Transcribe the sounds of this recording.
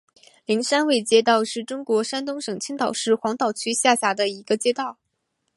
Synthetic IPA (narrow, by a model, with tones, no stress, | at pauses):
li˧˥ŋʂa˥nwe˥˩ɪt͡ɕjɛ˥t̪̬ɑ˥˧ʊʂɻ̩˥˩ʈ͡ʂʊ˥ŋkwɔ˧˥ʂa˥nt̪ʊ˥ŋʂɤ˨˩ŋt͡ɕʰi˥ŋt̪ɑ˨˩ʊʂɻ̩˥˩xwɑ˧˥ŋt̪ɑ˨˩ʊt͡ɕʰy˥ɕja˥˩ɕja˧˥d̪ə˧i˧˥ɡə˧t͡ɕjɛ˥t̪ɑ˥˩ʊ